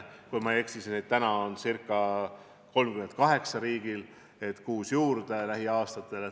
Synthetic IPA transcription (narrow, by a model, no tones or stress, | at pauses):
kujmɑe̞ksisinet̪t̪ːænɑonsirkːˑɑ | ko̞lmɡkyment̪̚kɑɦe̞ksɑɾiːɡ̥il | e̞t̪kuːsjuːrd̪̥e̞læɦiɑːst̪ɑt̪ːˑe̞le